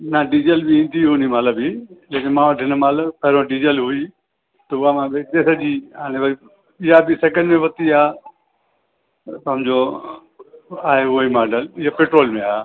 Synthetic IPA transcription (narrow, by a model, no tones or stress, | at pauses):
nəɖid͡ʒelbiĩːnd̪iɦunimaːləbileːkɪnmãːəʈʰɪnmaːləpɐɦɾõɖid͡ʒelɦʊi | t̪ɐʊamãːbɪt̪esɐʄiːaːnẽʋɐi | ɪɦabiseːkə̃ɳɖmẽʋɐt̪iaː | sɐmd͡ʑo | aːɦeʊimaːɖəlɪɦapeːʈɾoːlmẽaː